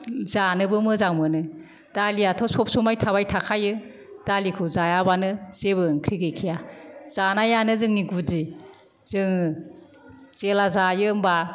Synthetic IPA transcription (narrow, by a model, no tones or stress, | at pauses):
zanɯbɯmɯzaŋmɯnɯ | d̥aliatʰɔsɔp̚sumajtʰaβajtʰakʰajɯ | d̥alikʰɯzajabanɯz̥ebɯŋkʰɾiɡekʰijazanajanɯzɯŋniɡudi | z̥ɯŋ | zelazajɯmba